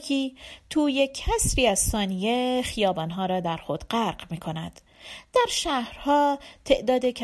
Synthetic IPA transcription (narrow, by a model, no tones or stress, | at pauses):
iːt̪ʰuːjecʰːæsviːæzsɒːnijexijɒːbɒːnɦɒːɾɒːd̪æɾxod̪̥ɢæɾɢmiːkʰo̞næd̪̥ | d̪̥æɾʃæhɾhɒːt̪ʰe̞ʔd̪ɒːd̪ecʰ